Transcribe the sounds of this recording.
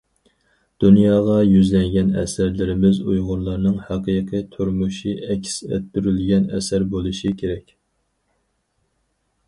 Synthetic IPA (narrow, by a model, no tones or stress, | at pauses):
d̪̥unjɑːʁɑjyzlɛŋɡʲɛnɛ̰sæɾlɪɾɪmɪzṵjʁʊɾlˠɑɾnɨŋhɑqʰɨqʰijt̪ʰuɾmuʃiɛkʲʰsɛ̰t̪̚ːyɾylɡʲɛnɛ̰sæɾbolˠuʃikʲʰeɾɛkʲ